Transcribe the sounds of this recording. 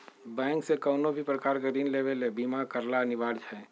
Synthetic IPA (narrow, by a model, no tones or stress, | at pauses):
bɛ̃ːŋksekəːnobʱipɾəkaːɾɡəɾiːnleːʋelebiːmakəɾlanɪʋaːɾd͡ʒɛ